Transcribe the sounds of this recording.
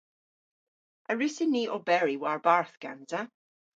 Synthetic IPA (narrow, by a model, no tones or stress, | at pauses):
ʔəɹɪsɪniːʔɔbɛɹiwaɹbaɹθɡ̥a̰nza